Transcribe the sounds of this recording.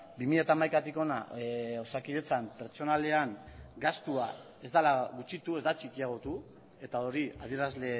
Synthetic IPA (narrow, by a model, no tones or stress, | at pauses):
bimiʎat̪aːmajkat̪iko̞na̰o̞sakiðe̞t͡sampe̞ɾt͡ʃo̞nale̞aŋɡast̪ua | e̞zd̪alaɣut͡ʃit̪ue̞zd̪at͡ʃikiaɣ̞o̞t̪u | e̞t̪ao̞ɾiað̞ie̞ɾazle̞